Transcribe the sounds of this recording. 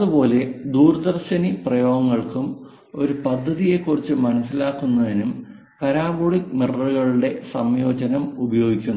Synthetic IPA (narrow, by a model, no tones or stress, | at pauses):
ɐðubo̞ːle̞d̪uːrɐd̪ɐrɕɐniprɐjo̞ːɡɐŋːɐɭkum | o̞ɾupɐd̪ʱːɐðije̞kːurit͡ɕːɨmɐnɐsilaːkːunːɐðinum | pɐɾaːboɻimirɐruɣɐɭuɽe̞sɐmjo̞ːd͡ʑɐnɐmubɐjo̞ːɡikʲːunː